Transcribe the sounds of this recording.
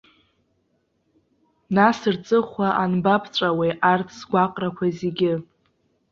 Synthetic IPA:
nasɨrt͡sʼɨχʷaʔanbapʰt͡ʃʷʼaweʔartʰsɡʷaqʼrakʷʰazeɡʲɪ

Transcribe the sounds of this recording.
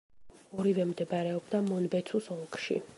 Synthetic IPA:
ɔɾivɛmd̪ɛbaɾɛɔbd̪amɔnbɛt̪sʰusɔlkʰʼʃḭ

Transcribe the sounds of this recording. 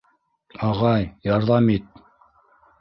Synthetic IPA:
ɑʁɑjjɑɾðɑmit̪̚

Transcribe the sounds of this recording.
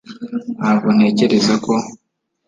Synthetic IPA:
aβoneːceɾezako̞

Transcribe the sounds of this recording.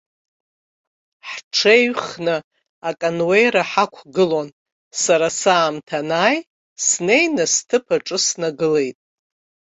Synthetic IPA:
ħʈ͡ʂʰejɥχnɨ | akʼanwejɾaħakʷʰɡɨlon | saɾasaːmtʰanaːj | sne̞jnastʰɨpʰaʈ͡ʂʼɨsnaɡɨle̞jtʼ

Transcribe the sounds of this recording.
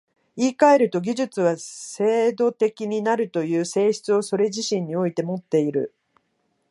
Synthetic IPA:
iːkae̞ɾɯ̟t̪o̞ɡʲiʑɨt͡sɨβase̞ːd̪o̞t̪e̞kʲiɲ̟inaɾɯ̟t̪o̞jɯ̟ːse̞ːɕi̥t͡sɨo̞so̞ɾe̞ʑiɕĩɲ̟ːio̞it̪e̞mo̞t̪ːe̞iɾɯ̟̰

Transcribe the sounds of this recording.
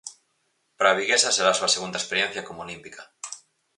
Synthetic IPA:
pɾaβiɣesase̞ɾasuaseɣ̞und̪aespe̞ɾjen̟θjako̞moolimpika

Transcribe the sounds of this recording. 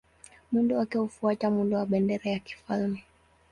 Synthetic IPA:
mundɔakiɔufuatamundɔwaɓɛndɛɾajaki̥falmɛ

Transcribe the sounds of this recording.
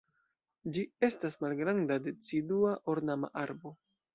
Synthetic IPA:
d͡ʒie̞stasmalɡɾandade̞t͡siduaʔoɾnama̰ʔaɾbo̞

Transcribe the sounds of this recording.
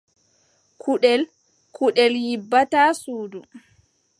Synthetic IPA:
kʰuɗɛl | kʰuɗɛljibːataːsuːdu

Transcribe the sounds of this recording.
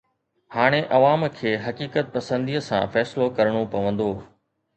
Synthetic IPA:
haːɽ̃eʔɐʋaːmkʰeːɦɐkiːkət̪̚pɐsə̃nd̪iːəsã̰fɛːsɪlokɐɾɽ̃opɐʋə̃nd̪oː

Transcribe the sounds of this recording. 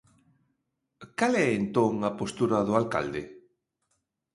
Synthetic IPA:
kalɛent̪oŋapost̪uɾaðʊalka̰ld̪ḛ

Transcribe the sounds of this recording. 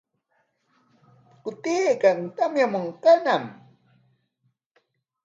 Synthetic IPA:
kʊt̪iːkaŋt̪amjamoŋkanam

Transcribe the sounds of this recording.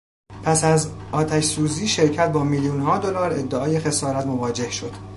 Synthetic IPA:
pʰæsæzɒːt̪ʰæʃsuːziːʃe̞ɾcʰæt̪̚bɒːmiːljuːnɦɒːd̪o̞lɒːɾe̞d̪ːeɒːjexe̞sɒːɾæt̪mo̞vɒːd͡ʒe̞hʃo̞d̪̥

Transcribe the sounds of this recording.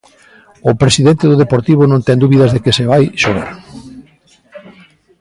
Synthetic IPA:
ʊpɾesiðent̪eðʊðepoɾt̪iβ̞ʊnõnt̪ɛŋd̪uβiðɐzðekeseβajʃoɣa̰ɾ

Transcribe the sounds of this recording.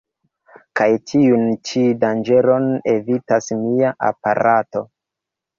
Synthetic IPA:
kajtʰiunt͡ʃidand͡ʒe̞ɾo̞ne̞vitasmiaʔa̰pa̰ɾato̞

